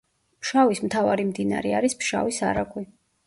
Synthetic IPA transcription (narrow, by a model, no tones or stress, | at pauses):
pʃavismt̪ʰavaɾimd̪ina̰ɾɛaɾispʃa̰visa̰ɾaɡʼwi